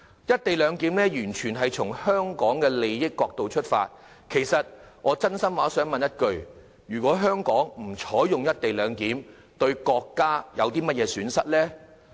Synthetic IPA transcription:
jɐ˥t̚t̪e˨jlœː˨˧ŋkiː˨˥mlɛː˥jyː˨˩nt͡ʃʰyː˨˩nɦɐ˨jt͡sʰʊ˨˩ŋhœː˥ŋkɔː˨˥ŋkɛː˧le˨jːɪ˥kːɔː˧k̚t̪o˨wt͡ʃʰɵ˥t̚fa̰ː˧t̚ | kʰe˨˩jsɐ˨t̚ŋɔː˨˧t͡sɐ˥nsɐ˥mwaː˨˥sœː˨˥ŋmɐ˨njɐ˥t̚kɵ˨ɥ | jyː˨˩kʷɔː˨˥ɦœː˥ŋkɔː˨˥ŋm̩˨˩t͡ʃʰɔː˨˥jʊ˨ŋjɐ˥t̚t̪e˨jlœː˨˧ŋkiː˨˥m | t̪ɵ˧ɥkɔː˧kːaː˥jɐ˨˧wt̪iː˥mɐ˥t̚jɛː˨˧syː˨˥nsɐ˥t̚lɛː˥

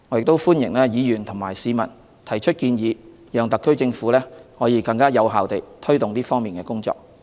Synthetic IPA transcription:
ŋɔː˨˧˥jɪ˨k̚t̪o˥wfuː˥njɪ̰˨˩ŋlɛː˥jiː˨˧jyː˨˩nt̪ʰʊ˨˩ŋmaː˨˩jsiː˨˧mɐ̰˨˩n | t̪ʰɐ˨˩jt͡ʃʰɵ˥t̚kiː˧njiː˨˧ | jœː˨˧ŋt̪ɐ˨kːɵ˥ɥt͡sɪ˧ŋfuː˨˥lɛː˥hɔː˨˧jiː˨˧kɐ˧ŋkaː˥jɐ˨˧wɦaː˨wt̪e˨jt̪ʰɵ˥ɥt̪ʊ˨ŋt̪iː˥fɔː˥ŋmiː˨nkɛː˧kʊ˥ŋt͡sɔ̰ː˨k̚

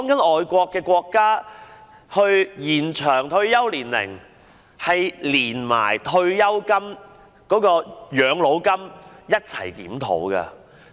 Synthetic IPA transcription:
kɔː˨˥ŋkɐ˨˥nɔː˨jkʷɔː˧kːɛː˧kʷɔː˧kːaː˥ | hɵ˧ɥjiː˨˩nt͡ʃʰœː˨˩ŋt̪ʰɵ˧ɥjɐ˥wliː˨˩nlɪ̰˨˩ŋ | hɐ˨jliː˨˩nma̰ː˨˩jt̪ʰɵ˧ɥjɐ˥wkɐ˥m | kɔː˨˥kɔː˧jœː˨˧ŋlo˨˥wkɐ˥mjɐ˥t̚t͡sʰɐ˨˩jkḭː˨˥mt̪ʰo̰˨˥wkɐ̰˧

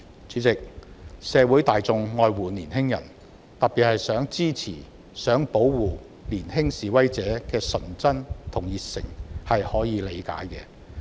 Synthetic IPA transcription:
t͡sʰyː˨˥t͡sɪ˨k̚sɛː˨˧wu˨˥jt̪aː˨jt͡sʊ˨˧ŋːɔː˨˧jwuː˨niː˨˩nɦɪ˥ŋjɐ̰˨˩n | t̪ɐ˨t̚pːiː˨t̚hɐ˨jsœː˨˥ŋt͡siː˥t͡sʰḭː˨˩ | sœː˨˥ŋpo˨˥wwuː˨ | liː˨˩nhɪ˥ŋsiː˨wɐ˥jt͡sɛː˨˥kɛː˧sɵ˨˩nt͡sɐ˥nt̪ʰʊ˨˩ŋjiː˨t̚sɪ̰˨˩ŋhɐ˨jhɔː˨˥jiː˨˧le˨˧jka̰ː˨˥jkɛː˧

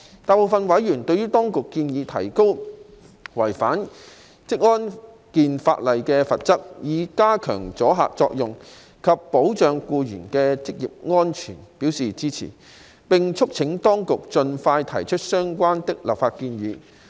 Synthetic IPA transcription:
t̪aː˨jpo˨˧wfɐ˧nwɐ˨˥jjyː˨˩nt̪ɵ˧ɥyː˥t̪ɔː˥ŋkʊ˨kːiː˧njiː˨˧t̪ʰɐ˨˩jko˥w | wɐ˨˩jfaː˨˥n | t͡sɪ˥k̚ŋɔː˥n | kiː˨˧nfa̰ː˧t̚lɐ˨jkɛː˧fɐ˨t̚t͡sɐ˥k̚jiː˨˧kaː˥kʰœ̰ː˨˩ŋt͡sɔː˨˥ɦa̰ː˨k̚t͡sɔː˧k̚jʊ˨ŋ | kʰɐ˨pːo˨˥wt͡ʃœː˨˧ŋkuː˧jyː˨˩nkɛː˧t͡sɪ˥k̚jḭː˨p̚ŋɔː˥nt͡ʃʰyː˨˩npi˨˥wsiː˨t͡siː˥t͡sʰḭː˨˩ | pɪ˨ŋt͡ʃʰʊ˥k̚t͡sʰɪ˨˥ŋt̪ɔː˥ŋkʊ˨k̚t͡sɵ˧nfaː˧jt̪ʰɐ˨˩jt͡ʃʰɵ˥t̚sœː˥ŋkʷaː˥nt̪ɪ˥k̚lɐ̰˨˩p̚faː˧t̚kiː˧njyː˨˧

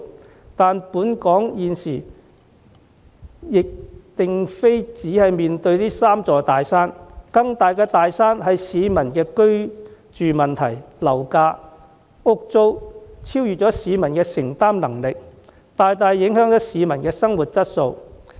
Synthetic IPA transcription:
t̪aː˨npuː˨˥nkɔː˨˥ŋjiː˨nsiː˨˩ | jɪ˨k̚t̪ɪ˨ŋfe˥jt͡siː˨˥hɐ˨jmiː˨nt̪ɵ˧ɥt̪iː˥saː˥mt͡sɔː˨˩t̪aː˨jsaː˥nkɐ˧ŋt̪aː˨jkɛː˧t̪aː˨jsaː˥nɦɐ˨jsiː˨˧mɐ˨˩nkɛː˧kɵ˥ɥ | t͡ʃyː˨mɐ˨nt̪ʰɐ˨˩jlɐ˨˩wkaː˧ | ʊ˥k̚t͡so˥wt͡sʰiː˥wjy˨t̚t͡ʃɔː˨˥siː˨˧mɐ˨˩nkɛː˧sɪ˨˩ŋt̪aː˥mnɐ˨˩ŋlɪ˨k̚ | t̪aː˨jt̪aː˨jːɪ˨˥ŋɦœː˨˥ŋt͡sɔː˨˥siː˨˧mɐ˨˩nkɛː˧sɐ˥ŋwu˨t̚t͡sɐ˥t̚so˧w

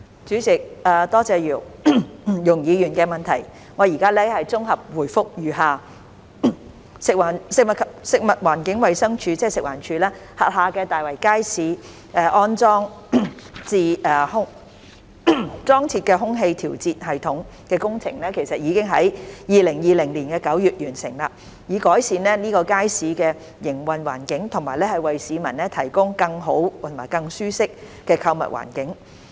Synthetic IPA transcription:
t͡ʃyː˨˥t͡sɪ˨k̚aː˨t̪ɔː˥t͡sɛː˨˧jiː˨˩w | jʊ˨˩ŋjiː˨˧jyː˨˩nkɛː˧mɐ˨nt̪ʰɐ˨˩j | ŋɔː˨˧ji˨˩kaː˥lɛː˥hɐ˨jt͡sʊ˥ŋɦɐ˨p̚wuː˨˩jfʊ˥k̚jyː˨ɦaː˨˧ | sɪ˨k̚waː˨˩nsɪ˨k̚mɐ˨kʰsɪ˨k̚mɐ˨t̚waː˨˩nkɪ˨˥ŋwɐ˨jsɐ˥ŋt͡ʃʰyː˧t͡sɛː˥˩sɪ˨k̚wa̰ː˨˩nt͡ʃʰyː˨˧laː˥hɐ̰ː˨t̚haː˨˧kɛː˧t̪aː˨jwɐ˨˩jkaː˥jsiː˨˧ | ʔɛː˨˧ʔɔː˥nt͡sɔː˥ŋ | t͡siː˧ʔɛː˧hʊ˥ŋ | t͡sɔː˥ŋt͡sʰiː˧t̚kɛ˧ɦʊ˥ŋɦe˧jt̪ʰiː˨˩wt͡siː˨t̚ɦɐ˨jt̪ʰʊ˨˥ŋkɛː˧kʊ˥ŋt͡sʰɪ˨˩ŋlɛː˥kʰe˨˩jsɐ˨t̚jiː˨˧kɪ˥ŋɦɐ˨˥jjiː˨lɪ˨˩ŋjiː˨˧lɪ˨˩ŋliː˨˩nkɛː˧kɐ˨˥wjyː˨t̚jyː˨˩nsɪ˨˩ŋla̰ː˧ | jiː˨˧kɔː˨˥jsiː˧nlɛː˥niː˥kɔː˧kaː˥jsiː˨˥kɛː˧ | jɪ˨˩ŋwɐ˨nwa̰ː˨˩nkɪ˨˥ŋt̪ʰʊ˨˩ŋmaː˨˩jlɛː˥hɐ˨jwɐ˨jsiː˨˧˥mɐ˨˩nlɛ˥t̪ʰɐ˨˩jkʊ˥ŋkɐ˧ŋɦo˨˥wt̪ʰʊ˨˩maː˨˩jkɐ˧ŋsyː˥sɪ˥k̚kɛː˧kʰɐ˧wmɐ̰˨t̚wʔa̰ː˨˩nkɪ˨˥ŋ

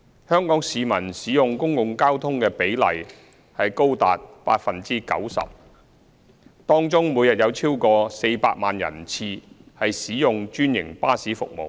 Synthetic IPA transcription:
hœː˥ŋkɔː˨˥ŋsiː˨mɐ˨˩nsiː˨˥jʊ˨ŋkʊ˥ŋkʊ˨ŋkaː˥wt̪ʰʊ˥ŋkɛː˧pe˨˥jlɐ̰˨˩j | hɐ˨jko˥wt̪a̰ː˨t̚pa̰ː˧t̚fɐ˨nt͡siː˥kɐ̰˨˥wsɐ̰˨p̚ | t̪ɔː˥ŋt͡sʊ˥ŋmuː˨˧jɐ˨t̚jɐ˨˧wt͡sʰiː˥wkɔː˧se˧jpa̰ː˧t̚maː˨njɐ̰˨˩nt͡sʰiː˧hɐ˨jsiː˨˥jʊ˨ŋt͡ʃyː˥njɪ̰˨˩ŋpaː˥siː˨˥fʊ̰˨k̚mo̰˨˩w

